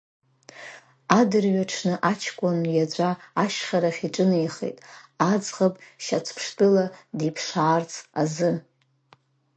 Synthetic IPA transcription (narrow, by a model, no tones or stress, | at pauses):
adɨrɥaʈ͡ʂʰnɨʔat͡ʃʰkʷʼʊnjad͡ʒʷʼaːʃχʲaɾaχʲiʈ͡ʂʼɨnejχḛtʼad͡zʁapʼʃat͡sʷʰpʰʂtʼɨladipʰʂaːrt͡sʰʼazɨ